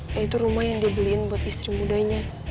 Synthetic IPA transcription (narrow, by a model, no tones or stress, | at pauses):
jait̪uɾumahjaŋdiabəlinbuat̪ist̪ɾimudaiɲa